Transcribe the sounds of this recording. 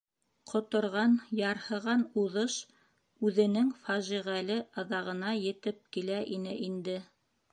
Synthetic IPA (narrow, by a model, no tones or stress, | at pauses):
qʰŏt̪ŏɾʁɑnjɑɾhɤ̆ʁɑnuðɤʃ | ʉðɘ̆nɘŋfæʒiʁælɘʔɑðɑʁɤ̆nɑjɘ̆t̪ɘp̚kilæʔinɘʔind̪ɘ